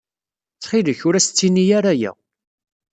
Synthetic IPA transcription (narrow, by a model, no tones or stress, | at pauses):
t͡sːχiləçʊɾæst͡sːinijaɾæjæ̰